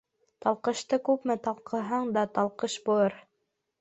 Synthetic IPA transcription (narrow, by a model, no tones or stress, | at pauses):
t̪ɑlˠqɤ̆ʃt̪ɤkʉpmɘt̪ɑlˠqʰɤ̆ɦɑɴd̪ɑt̪ɑlˠqɤʃbuɤɾ